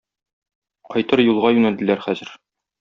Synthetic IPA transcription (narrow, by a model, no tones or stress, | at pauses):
qɒjt̪ɤɾjulˠʁɑjʉnæld̪ɘ̆læɾχæzɘ̆ɾ